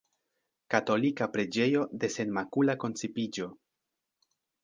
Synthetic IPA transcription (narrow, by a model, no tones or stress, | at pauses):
kato̞likapɾe̞d͡ʒe̞jo̞de̞se̞nmakulako̞nt͡sepid͡ʒo̞